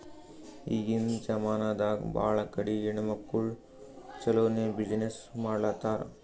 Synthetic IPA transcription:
iːɡind͡ʒɐmaːnaːd̪aːɡba̰ːɭɐkɐɽijiɳɐmɐkːuɭ | t͡ʃɐloːnebid͡ʒnesmaːɽlaːt̪aːɾ

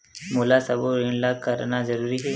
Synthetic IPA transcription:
muːlasɐboɾiɳlaːkɐɾnazɐɾuːɾiɦɛː

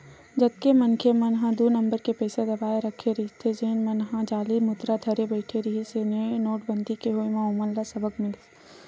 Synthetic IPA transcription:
d͡ʒɐd̪̚kemɐnkʰemɐnɦãd̪uːnɐ̃mbəɾkepɛːsad̪ɐbaːeɾɐkʰeɾiɦit̪ʰed͡ʒeːnmɐnɦãd͡ʒaːlimʊt̪ɾad̪ʱɐɾebəɪʈʰeɾiɦisenenoːʈbə̃nd̪ʱikeɦoːjmãʊməlːasɐbəkmɪl

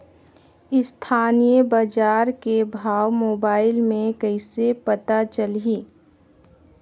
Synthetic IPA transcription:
ɪst̪ʰaːnijəbad͡ʒaːɾkebʱaːwmoːbaːɪlmẽkəɪsepət̪at͡ʃəliː

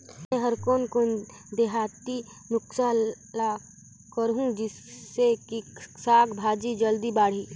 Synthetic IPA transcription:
ẽɦəɾkoːnkon | d̪eɦaːt̪i | nʊksaː | la | kəɾɦũd͡ʒɪsːekisaːɡbʱaːd͡ʒid͡ʒəld̪ibaːɽ̤iː

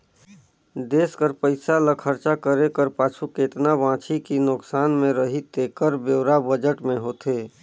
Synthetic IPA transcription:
d̪eːskəɾpəɪsaləkʰəɾt͡ʃakəɾekəɾpaːt͡ʃʰuket̪nabãːt͡ʃʰikinʊksaːnmẽɾəɦit̪eːkəɾbeːɾabəd͡ʒəʈmẽɦoːt̪eː

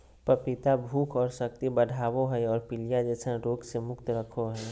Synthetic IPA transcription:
pəpɪt̪abʱuːkʰɔːɾsək̚t̪ibəd̪ʱaːwoɦɛɔːɾpɪlijad͡ʒɛːsə̃ɾoːksemʊkt̪ɾəkʰoɦɛː

